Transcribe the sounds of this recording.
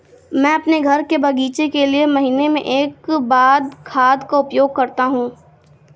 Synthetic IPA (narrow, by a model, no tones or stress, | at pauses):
mɛ̃ːɐpneɡʱɐɾkebʱɐɡiːt͡ʃekeliemɐɦiːnemḛ̃ʔeːkbaːd̪kʰaːd̪kaʊpjoːɡ̚kɐɾt̪aɦũː